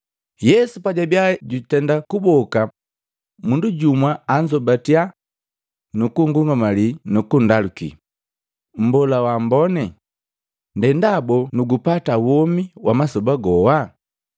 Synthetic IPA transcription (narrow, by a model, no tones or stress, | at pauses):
jɛsupaɟabjaɟutɛndakubɔka | munduɟumwaːɲd͡ʒɔbatia | nukuŋɡuŋɡamalinukundalukḭ | m̩bɔlawambɔnɛ | ndɛndabɔnuɡupatawɔmiwʔamasɔbaɡɔwa